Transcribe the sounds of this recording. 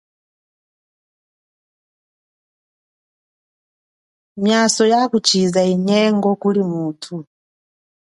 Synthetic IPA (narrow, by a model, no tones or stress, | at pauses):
mjasɔjakut͡ʃʰizaiɲɛŋɡɔkulimuːtʰu